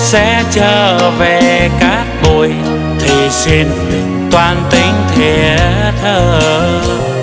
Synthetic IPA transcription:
sɛ̰˧˥t͡ɕəː˧˩ve˨˩kaː˦˥k̚ɓu˧˩əj | t̪ʰi˨˩si˧n | t̪waː˧nt̪i˨˦ŋ̟t̪ʰɛ˧˩ | t̪ʰəː˧˩

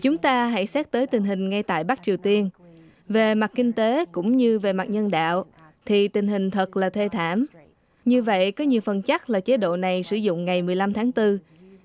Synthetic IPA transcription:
t͡ɕʊ˨˦ŋ͡mt̪aː˧ɦa̰˧˥jsɛ˦˥t̚t̪əː˨˦jt̪ï˨˩ŋ̟ɦï˨˩ŋ̟ŋa˧jt̪a̰ː˧˨jɓa˦˥k̚t͡ɕi˨˩əwt̪i˧ən | ve˨˩ma˨˩t̚kï˧ŋ̟t̪e˨˦kʊ̰˧˥ŋ͡mɲɨ˧ve˨˩ma˨˩t̚ɲə˧nɗa̰ː˧˨w | t̪ʰi˨˩t̪ï˨˩ŋ̟ɦï˨˩ŋ̟t̪ʰə˨˩t̚laː˨˩t̪ʰe˧t̪ʰaː˧˩m | ɲɨ˧və̰˧˨jkɔ˨˦ɲi˨˩əwfə˨˩nt͡ɕa˦˥t̚laː˨˩t͡ɕe˨˦ɗo̰˧˨na˨˩jsɨ˧˩zʊ̰˧˨ŋ͡mŋa˨˩jmɨ˨˩əjla˧mt̪ʰaː˨˦ŋt̪ɨ˧

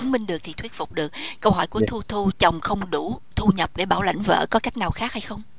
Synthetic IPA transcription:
ŋmï˧ŋ̟ɗɨ˨˩ək̚t̪ʰi˨˩t̪ʰwət̚fʊ˨˩k͡p̚ɗɨ˨˩ək̚kə˧wɦɔ˧˩jku˧˩ət̪ʰu˧t̪ʰu˧t͡ɕɔ˨˩wŋ͡mxə˧wŋ͡mɗu˧˩t̪ʰu˧ɲə˨˩p̚ɗe˧˩ɓaː˧˩wla̰˧˩jŋ̟və̰ː˧˥kɔ˨˦ka˦˥jk̟̚naː˨˩wxaː˦˥k̚ha˧jxə˧wŋ͡m

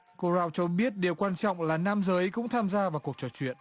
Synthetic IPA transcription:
ko˧zaː˧wt͡ɕɔ˧ɓi˦˥ət̚ɗi˨˩əwkwaː˧nt͡ɕɔ̰˧˨wŋ͡mlaː˨˩naː˧mzəː˨˦jkʊ̰˧˥ŋ͡mt̪ʰaː˧mzaː˧vaː˨˩wku˨˩ək̚t͡ɕɔ˧˩t͡ɕwḭ˧˨ən

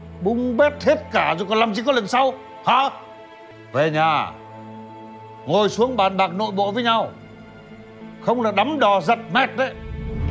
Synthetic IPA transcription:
ɓʊ˧ŋ͡mɓe˦˥t̚t̪ʰe˦˥t̚kaː˧˩zo˨jkɔ˨˩nlaː˨˩mt͡ɕi˧˩kɔ˨˦lə˨ŋsa˧w | ha˧ | ve˨˩ɲaː˨˩ | ŋo˨˩jsu˨˦əŋɓaː˨˩nɓaː˨˩k̚no̰˧˨jɓo̰˧˨vəː˨˦jɲa˧w | xə˧wŋ͡mlaː˨˩ɗa˨˦mɗɔ˨˩zə˨˩t̚mɛ˦˥t̚ɗə˨˦j

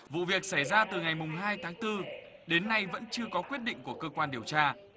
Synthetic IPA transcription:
vṵ˧˨vi˨˩ək̚sa˧˩jzaː˧t̪ɨ˨˩ŋa˨˩jmʊ˨˩ŋ͡mɦaː˧jt̪ʰaː˨˦ŋt̪ɨ˧ | ɗe˨˦nːa˧jvə̰˧˥nt͡ɕɨ˧əkɔ˨˦kwi˦˥ət̚ɗḭ˧˨ŋ̟ku˧˩əkəː˧kwaː˧nɗi˨˩əwt͡ɕaː˧

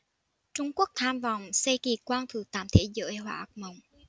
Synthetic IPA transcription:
t͡ɕʊ˧ŋ͡mku˦˥ək̚t̪ʰaː˧mva˨˩wŋ͡msə˧jki˨˩kwaː˧nt̪ʰɨ˨˩t̪aː˧˩mt̪ʰḛ˧˥zəː˧˥˦jɦwa̰ː˧˩ʔə˨˩k̚mə˨˩wŋ͡m

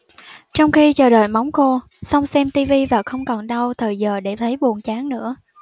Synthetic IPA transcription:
t͡ɕɔ˧wŋ͡mxi˧t͡ɕəː˨˩ɗəː˨˩jma˨˦wŋ͡mxo˧ | sa˧wŋ͡msɛ˧mt̪i˧vi˧vaː˨˩xə˧wŋ͡mkɔ˨˩nɗa˧wt̪ʰəː˨˩jzəː˨˩ɗe˧˩t̪ʰə˨˦jɓu˨˩ənt͡ɕaː˨˦ŋnɨ̰˧˥ə

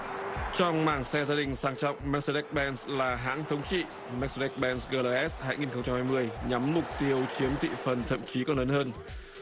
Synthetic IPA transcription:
t͡ɕɔ˧wŋ͡mmaː˧˩ŋsɛ˧zaː˧ɗï˨˩ŋ̟saː˨˦ŋt͡ɕɔ̰˧˨wŋ͡mmɛ˦˥k̚sɗɛ˦˥k̚ɓɛ˧nslaː˨˩ɦa̰ː˧˥ŋt̪ʰə˨˦wŋ͡mt͡ɕḭ˧˨ | mɛ˦˥k̚sɗɛ˦˥k̚ɓɛ˧nsɣəː˧la˧ʔɛ˦˥shaː˧jŋi˨˩nxə˧wŋ͡mt͡ɕa˧mhaː˧jmɨ˧əjɲa˨˦mːʊ˨˩k͡p̚t̪i˧əwt͡ɕi˨˦əmt̪ḭ˧˨fə˨˩nt̪ʰə̰˧˨mt͡ɕi˨˦kɔ˨˦nləː˨˦nhɦəː˧n

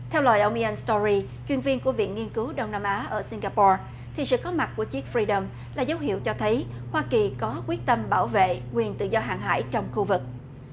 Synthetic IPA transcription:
t̪ʰɛ˧wla̰ː˧˨jʔə˧wŋ͡mʔi˧ʔɛ˧nst̪ɔ˧ɹi˧ | t͡ɕwi˧ənvi˧ənku˧˩əvḭ˧˨ənŋi˧ənkɨ˨˦wɗə˧wŋ͡mnaː˧mʔaː˨˦ʔəː˧˩si˧ŋɣaː˧pɔ˧ | t̪ʰi˨˩sɨ̰˧˨kɔ˨˦ma˨˩t̚ku˧˩ət͡ɕi˦˥k̚fɹi˧ɗə˧m | laː˨˩zə˨˦wɦḭ˧˨əwt͡ɕɔ˧t̪ʰə˨˦jhwaː˧ki˨˩kɔ˨˦kwi˦˥ək̚t̪ə˧mɓaː˧˩wvḛ˧˨ŋwi˨˩ənt̪ɨ̰˧˨zɔ˧ɦa̰ː˨˩ŋɦa̰ː˧˩jt͡ɕɔ˧wŋ͡mxu˧vɨ˨˩k̚

